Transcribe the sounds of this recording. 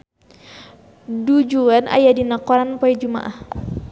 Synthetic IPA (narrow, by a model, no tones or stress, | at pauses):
dud͡ʒuanʔa̰jadinakɔɾanpɔɛd͡ʒuma̰ʔah